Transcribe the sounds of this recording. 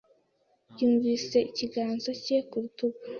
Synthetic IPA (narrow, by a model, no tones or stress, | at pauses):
juːɱviːse̞iciɡaːnzo̞cekuɾutuɡa